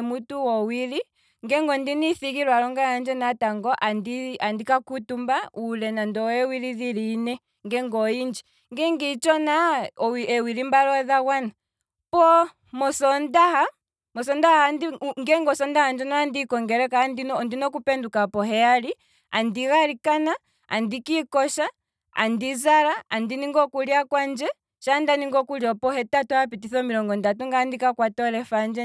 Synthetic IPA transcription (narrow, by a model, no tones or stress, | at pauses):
mutuwɔwili | ŋɡɛŋɡɔndiniθikiɾwalɔŋɡaand͡ʒɛnataŋɡɔʔandiandikakutumbaulɛnandɔɛwiliðiliːnɛ | ŋɡɛŋɡɔind͡ʒi | ŋɡɛŋɡit͡ʃɔnaɔiɛwiɾimbalɔðaɣwana | pɔ | mɔsɔndaha | mɔsɔndahaandiŋɡɛŋɡɔsɔndahand͡ʒɔnaːndikɔŋɡɛɾɛkandinɔndinɔkupɛndukapɔɦɛali | a̰ndiɣaɾikana | a̰ndikikɔʃa | a̰ndizaɾaandiniŋɡɔkuliakwand͡ʒɛ | ʃandaniŋɡɔkuljɔpɔhɛtatɔhapitiθɔmiɾɔŋɡɔndatuŋɡaːndikakwatɔɾɛfand͡ʒɛ